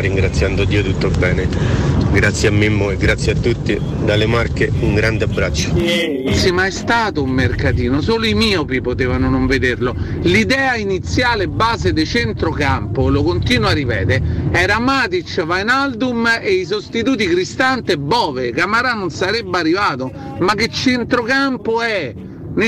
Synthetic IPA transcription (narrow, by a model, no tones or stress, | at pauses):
riŋɡɾat̪sːjand̪od̪iːot̪ut̪ːobɛːneɡɾat̪sːjamːimːoeɡɾat̪sːjeat̪ːut̪ːi | d̪alemarkeuŋɡɾand̪eabɾat͡ʃːo̥ | simaɛst̪aːt̪oumːerkat̪iːnosoːloimiːopipot̪eːvanonoɱved̪erlolid̪ɛːainit̪sjaːlebːaːzed̪et͡ʃent̪ɾokampolokont̪iːnwarːipɛ̰ːt̪eɛːɾamaːt̪it͡ʃːvajnald̪umeis̬ost̪it̪uːt̪̬ikɾist̪ant̪ebːɔːvekamaɾanonsaɾɛbːearːivaːt̪o | makːet͡ʃːent̪ɾokampoɛ | n